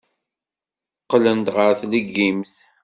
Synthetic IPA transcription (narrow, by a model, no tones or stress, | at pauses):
qːlənt̪ʁəɾθləɡːimθ